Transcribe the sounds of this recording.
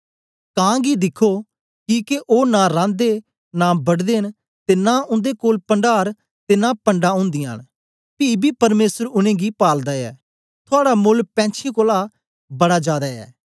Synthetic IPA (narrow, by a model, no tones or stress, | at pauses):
kãːɡid̪ɪkʰo | kikeʔoːnaɾãːnd̪e | nabɐɽd̪eːn | t̪eːnaʊ̃nd̪ekoːlpə̃ɳɖaːɾ | t̪enaːpəɳɖaʊ̃ːnd̪ɪːa̰ːn | pibʱiːpɐɾmeːsəɾʊnẽːɡipaːld̪aɛ̰ː | t̪ʰʊaːɽamʊlpɛ̃ːt͡ʃʰẽkoːla | bɐɽaːd͡ʒaːd̪aɛ̰ː